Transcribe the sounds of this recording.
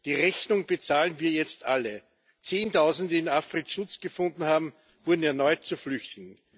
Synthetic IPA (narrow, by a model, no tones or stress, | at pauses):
d̥iːʁɛçnʊŋb̥ət͡saːlənviːɐjɛt͡stʔalə | t͡seːntʰaʊzn̩dəɪnafʁetʃʊt͡sɡ̥əfʊ̃ndn̩haːbm̩ | v̥ʊɐdn̩ɛɐnɔʏt̚t͡suflʏçtɪɡŋ̩